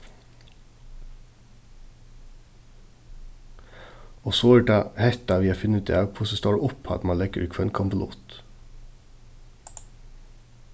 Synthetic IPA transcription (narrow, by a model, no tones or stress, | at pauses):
oːsoːəʈɑːhɛt̪ɑʋiːɑːfɪnət̪d̪ḭːɑːʋpʰʊsəst̪ɑːɽʔʊpɑ̰t̪mɑnlɛɡəʔʉ̰ːkfɔeːnkʰɑmbəlṵːt̪